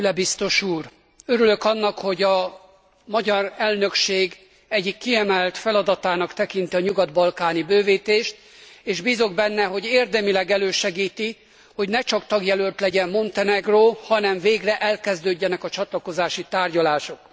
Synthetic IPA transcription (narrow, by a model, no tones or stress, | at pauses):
ylɛbist̪o̞ʃuːr | øɾylø̞kɒnːɒkho̞ɟɒ | mɒɟɒrɛlnø̞kʃeːɡ | ɛɟːikːiɛmɛlt̪fɛlɒd̪ɒt̪aːnɒkt̪ɛkint̪iɒɲuɡɒd̪bɒlkaːnibøːviːt̪eːʃt̪ | eːʒbiːzo̞ɡ̚bɛnːɛɦo̞ɟeːrd̪ɛmilɛɡɛløːʃɛɡiːt̪i | ho̞ɟnɛt͡ʃɒkt̪ɒɡjɛlølt̪lɛɟɛmmo̞nt̪ɛnɛɡroːhɒnɛɱveːɡrɛʔɛlkɛzd̪øːɟːɛnɛkɒt͡ʃɒt̪lɒko̞zaːʃit̪aːrɟɒlaːʃo̞k